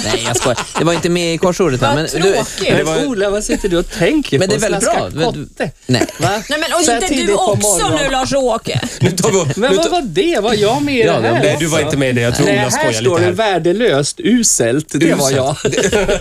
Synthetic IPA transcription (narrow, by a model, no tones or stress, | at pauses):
nɛ̰jjɑskɔdd̪ɛvaɾɪnt̪əmɛɪkʰɔʂoːɖət̪ʰːmɛnd̪d̪ɛvuːlavasɪt̪ːəɖɵɔt̪ʰɛŋkmɛnd̪ɛɾvɛlːɪɾkɔə | nɛ̰vaɛɛiːd̪əɔmːɔɾɔnʉlɑʂoːkə̰t̪ʰɑɔmɛnvavaɖɛvaɾjɑːmeːɛd̪ʉvaɾɪnt̪əmɛd̪ɛjɑt̪ʰɾujahkæɔoːɖɛvæːɖəløːst̪ʉ̟ːsɛlt̪d̪ɛvaɾjɑː